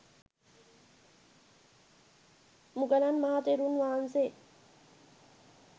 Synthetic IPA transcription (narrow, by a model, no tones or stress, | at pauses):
mukəlanmaɦat̪eɾunʋaɦanse